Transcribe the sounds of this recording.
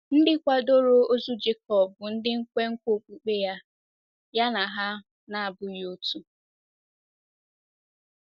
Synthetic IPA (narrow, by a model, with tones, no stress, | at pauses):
n̩˦dɪ˦kʷa˦do˦ɾo˦o˦zu˦d͡ʒe˦kɔ˨bʊ˨n̩˦dɪ˦ŋ̩˦kʷe˦ŋ̩˦kʷo˨k͡pʷu˨k͡pe˦ja˦ | ja˦na˨ɦa˦ | na˨a˨bʊ˦˨˦o˦tu˦